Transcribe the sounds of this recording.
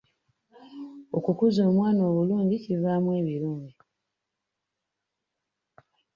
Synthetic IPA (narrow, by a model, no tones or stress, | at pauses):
o̞kukuzo̞ːmwaːnoːβuluːɲɟicivaːmwe̞ːβiɾuːɲɟi